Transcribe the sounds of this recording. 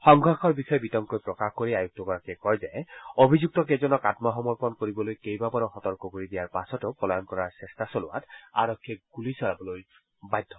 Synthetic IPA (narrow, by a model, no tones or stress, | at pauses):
xɔŋɡʱaxɔɹbixɔjɔbitɔŋkojpɹɔkaxkoɹiajuk̚tɔkɔɹakɛkɔɹzɛobʱizuk̚tɔkɛzɔnɔkatmɔɦɔmɔɹpɔnkoɹibɔlojkejbabaɹɔxɔtɔɹkɔkoɹidijaɹpasɔtʊpɔlaɔnkɔɹaɹsɛstasolʊ̰wa̰ta̰ɹɔkʰːiɛɡ̥ulisɔɹabɔloj | bajdʱːɔ